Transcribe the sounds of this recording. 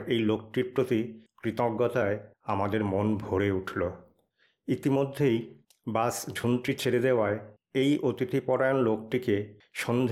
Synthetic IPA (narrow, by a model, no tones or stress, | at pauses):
ejlokʈiɾpɾot̪ikɾit̪oɡːɔt̪aeamad̪eɾmonbʱoɾeuʈʰlo | it̪imod̪ʱːej | basd͡ʑʱunt̪ɾit͡ɕʰeɾed̪eoae | ejʔot̪it̪ʰipɔɾaonlok̚ʈike | ʃond̪ʱ